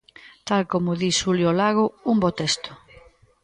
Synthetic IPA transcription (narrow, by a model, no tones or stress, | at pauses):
t̪alkomʊðisuljolaɣʊumbot̪est̪ʊ̥